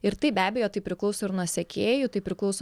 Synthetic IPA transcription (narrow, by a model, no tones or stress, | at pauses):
ɪɾt̪ɐɪbʲæːbʲɛjoːt̪ɐɪpʲɾʲɪklˠɐʊsoːɪɾnuɔsʲɛkʲeːjʊt̪ɐɪpʲɾʲɪklˠɐʊs